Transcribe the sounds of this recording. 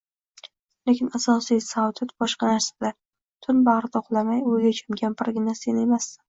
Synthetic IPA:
lekʲʰɪnasɒsijsawt̪ʰɪt̪bɒʃqɑnaɾsḁd̪a | t̪ʰʊnbaʁɾɪt̪ʰoqlˠamajʊjɡʲat͡ʃʰamɡʲanpʰɪɾɡʲɪnase̞nemasɪ

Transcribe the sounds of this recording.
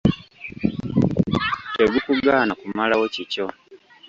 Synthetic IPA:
teɡukuɡaːnakumalawocico̞

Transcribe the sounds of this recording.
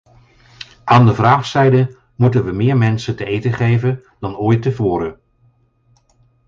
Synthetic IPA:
ʔaːndəvraːχsɛjdə | mutənʋəmɪːɹmɛnsəntəejtəχejvən | dɑnɔːjtəvʊːɾə

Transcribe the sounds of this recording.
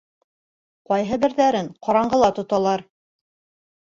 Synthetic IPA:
qɒjɦɤbɘ̆ɾðæɾɘŋqɒɾɑɴɢɤ̆lˠɑt̪ŏt̪ɑlˠɑɾ

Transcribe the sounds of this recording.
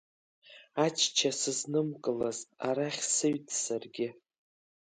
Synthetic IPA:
at͡ʃʰt͡ʃʰasɨznɨmkʼɨlaza̰ɾaχʲsɨɥtʰʼsarɡʲɪ

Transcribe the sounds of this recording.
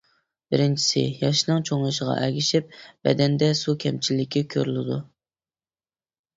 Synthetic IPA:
b̥ɪɾɪnt͡ʃʰi̥sɪ̰jɑʃnɨŋt͡ʃʰoŋlˠɨʃəʁɑ̰ʔɛɡʲiʃɪp̚bɛ̰d̪ɛnd̪ɛsukʲʰɛmt͡ʃʰilːɪkʲʰɪkʲʰøɾylˠɪd̪u

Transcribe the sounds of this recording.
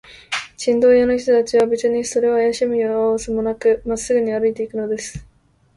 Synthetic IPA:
ɕĩnd̪o̞ːjano̞çi̥t̪o̞t̪at͡ɕiβabet͡sɨɲ̟iso̞ɾe̞ajaɕimioasɨmo̞nakɯmasːɨɡɯ̟ɲ̟iaɾɯit̪e̞ikɯ̟no̞d̪e̞sɨ̥

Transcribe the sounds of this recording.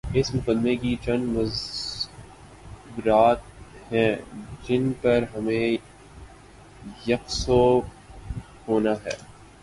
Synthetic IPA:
ɪsmʊqəd̪mekit͡ʃɐ̃nd̪mɐz | bɾaːt̪̚hɛ̃ːd͡ʒɪnpɐɾɦɐmẽ | jɐqso | hoːnaɦɛ̰ː

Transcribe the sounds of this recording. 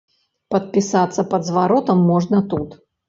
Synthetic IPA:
pɐt̪̚pʲisat̪sːɐpɐd̪zvaɾɔt̪ɐmːɔʐnɐt̪ut̪

